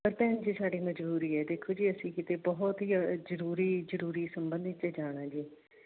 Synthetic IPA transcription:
pəɾp̪ɛːnd͡ʒiːsaːɖiːməd͡ʒbuːɾiːɛːd̪eːkʰoːd͡ʒiːəsĩːkit̪eːbɔɦt̪ɦiːzəɾuːɾiːzəɾuːɾiːsəmbə̃nd̪ɪt̪t͡ʃeːd͡ʒaːɽ̃aːd͡ʒiː

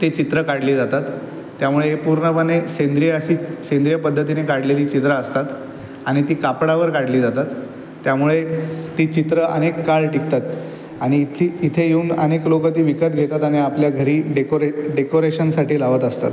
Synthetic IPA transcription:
t̪et͡ɕit̪ɾəkaɽliːd͡zat̪at̪ː | jamuɭeepuɾɳəpənːesend̪ɾieəɕiːsẽnd̪ɾijəpəd̪ʱːət̪inekaɽleliːt͡ɕit̪ɾaəst̪at̪ | aɽ̃it̪iːkapɽaʋəɾkaɽliːd͡zat̪at̪ː | jamuɭet̪iːt͡ɕit̪ɾəə̰nekːaɭʈik̚t̪at̪ | aɽ̃it̪ʰiːt̪ʰejeuːnəneklokət̪iːʋikət̪ɡʱet̪at̪aɽiapljaɡʱəɾiːɖekoɾeɖekoɾeɕənsaʈʰiːlaʋət̪əst̪a̰t̪

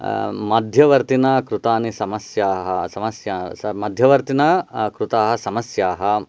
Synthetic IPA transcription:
mɐd̪ʱjɐʋɐɾt̪inɐkɾut̪aːnisɐmɐsjaːɦɐsɐmɐsjaːɐmɐd̪ʱjɐʋɐɾt̪inɐkɾut̪aːɦɐsɐmɐsjaːɦɐ

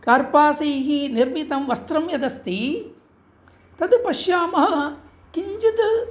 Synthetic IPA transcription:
kɐɾpaːsiːɦiniɾmit̪ɐmʋɐst̪ɾɐmjɐd̪ɐst̪i | t̪ɐd̪pɐʃjaːmɐɦɐ | kiɲd͡ʒut̪

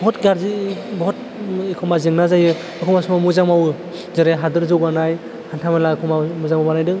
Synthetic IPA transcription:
bɔɦɔtɡaɾzibɔɦɔt | ikʰɔmazɯŋnazajɯ | ɯkʰɔmasumamuzaŋmawɯ | zɯɾeɦadɯɾzɯwbanaj | hantʰamelakʰɔmamuzaŋmabanajdɯŋ

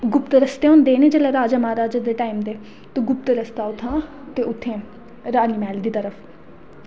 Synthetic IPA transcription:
ɡʊpt̪ɾəst̪eːõːnd̪eːnẽːd͡ʒeːleːɾaːd͡ʒəmaːɾaːd͡ʒad̪eːʈaːiːmd̪eː | t̪õːɡʊpt̪ɾəst̪aːʊt̪ʰːãː | t̪eːʊt̪ʰːẽː | ɾaːniːmɛːld̪iːt̪əɾəpʰ

